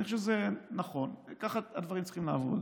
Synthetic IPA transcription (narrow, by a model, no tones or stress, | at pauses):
niχʃezenaχo̞nkaχaad̪vaʁimt͡ssi̥χimlaːvo̰d